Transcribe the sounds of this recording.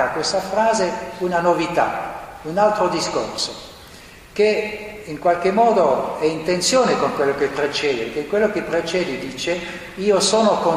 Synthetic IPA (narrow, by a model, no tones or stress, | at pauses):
akwest̪afɾaːzeunanovit̪a̰unalt̪ɾod̪isko̰rso | keiŋkwalkemːɔːd̪oɛint̪ent̪sjoːnekoŋkwelːokepːɾet͡ʃɛːd̪ekekwelːokepːɾet͡ʃɛːd̪id̪iːt͡ʃe | iːosoːnokon